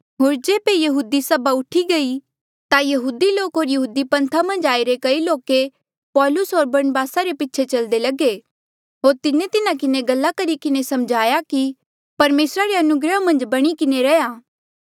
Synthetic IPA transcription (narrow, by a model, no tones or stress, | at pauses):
ɦoːɾd͡ʒeːbejɐɦuːd̪isɐbaʊʈʰiɡɐi | t̪ajɐɦuːd̪iloːkɦoːɾjɐɦuːd̪ipɐ̃nt̪ʰamɐ̃nd͡ʒaːiɾekɐiloːke | pɔːlʊsɦoːɾbɐɾnbaːsaɾepɪtːt͡ʃʰʃʰet͡ʃɐld̪elɐɡe | ɦoːɾt̪ɪnet̪ɪnãkɪneɡɐlːakɐɾikɪnesɐmd͡ʒʱaːjaki | pɐɾmeːsɾaɾeɐnʊɡɾəmɐ̃nd͡ʒbɐɽ̃ikɪneɾɐjaː